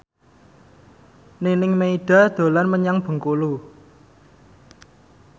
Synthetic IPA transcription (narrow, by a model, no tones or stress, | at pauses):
ninɪŋmeiɖ̥a̤d̪̥o̤lanməɲaŋb̥ə̤ŋkulu